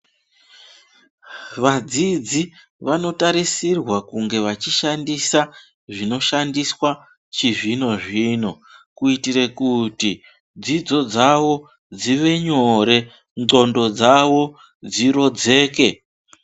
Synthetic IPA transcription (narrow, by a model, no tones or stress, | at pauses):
ʋad͡zid͡zi | ʋano̞taɾisirwakuŋɡe̞ʋat͡ʃiʃandisa | ʐino̞ʃandiswa | t͡ʃiʐino̞ʐiːno̞ | kuitiɾe̞kuti | d͡zid͡zo̞d͡zaʋo̞ | d͡ziʋe̞ɲo̞ɾe̞ | nŋ͡ǀo̞ndo̞d͡zaʋo̞ | d͡ziro̞d͡ze̞ːke̞